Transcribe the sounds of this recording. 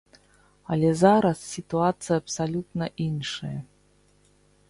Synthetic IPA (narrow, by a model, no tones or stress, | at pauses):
ɐlʲɛzaɾɐssʲit̪uat̪sɨjɐɐpsalʲut̪nɐʔinʂɐjɐ